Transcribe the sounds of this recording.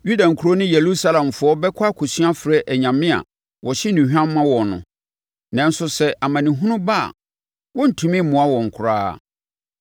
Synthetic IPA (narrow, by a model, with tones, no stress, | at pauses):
ju˦dã˨ŋ̩˨kʰu˨˦ɾo˦nʊ̃˦je˨lu˦sa˦lã˨mfʊ˨˦ɔ˦bɛ˦kʰa˦kʰo˨sɥa˦fɾɛ˦ʔæ˨ɲã˨mɪ̃˦a̰˨ | wʔɔ˨ɕɪ˦nĩ˨hᶣã˦mː˦ã˦wɔ˨nʊ̰̃˨ | nã˨n̩˦sʊ˦sɛ˦ʔa˨mã˨nɪ̃˨ɦũ˦nʊ̃˦ba˦a̰˨ | wɔ̃˦n̩˨tʰũ˦mɪ̃˦mʊ̃˨a˦wɔ̃˨ŋ̩˨kʰʊ˨ɾa̰ː˦˨